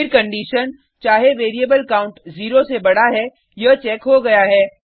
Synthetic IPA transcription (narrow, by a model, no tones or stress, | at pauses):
ɪɾkɐ̃ɳɖiːʃən | t͡ʃaːɦeʋeːɾijəbəlkaːʊ̃ɳʈziːɾosebɐɽ̤aɦɛ | jɐt͡ʃɛːkɦoɡɐjaɦɛː